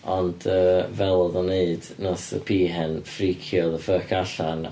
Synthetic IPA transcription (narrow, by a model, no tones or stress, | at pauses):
ɔnd̥əːvɛlˠɔðɔneɨdnɔsə̰pʰiːɦɛnfrikʰjɔðəfəːkʰaɬan